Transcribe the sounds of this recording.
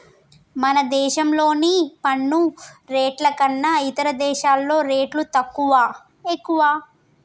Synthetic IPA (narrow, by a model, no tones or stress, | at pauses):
mɐnɐd̪ɛːʃɐmlo̞ːnipɐɳːuɾeːʈlɐkɐnːɐit̪ɐɾɐd̪ɛːʃaːlːo̞ːɾeːʈlut̪ɐkːuʋaː | ekːuʋaː